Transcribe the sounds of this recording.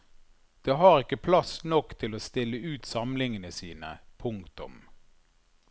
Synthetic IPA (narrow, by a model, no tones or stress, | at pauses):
d̪̥eːɦɑːʁɪkːəpʰlɑsnɔkːt̪ʰɪloːst̪ɪlːəʉːt̪sɑmlɪŋənəsiːnəpʰʊŋkt̪ʊ̰m